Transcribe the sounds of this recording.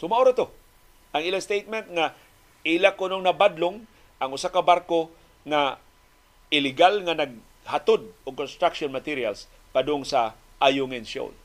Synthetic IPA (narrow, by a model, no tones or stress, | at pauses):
sʊmaʔoɾat̪o | ʔaŋɪlaŋst̪ejt̪̚mɛnt̪̚ŋa | ɪlakʊnoŋnabad̪loŋ | ʔaŋʊsakabaɾko | ŋa | ɪlɪɡalŋanaɡ̚ | hat̪od̪̚ʊɡ̚konst̪ɾakʃonmat̪iɾia̰ls | pad̪ʊŋsa | ʔajʊŋɛnso̰l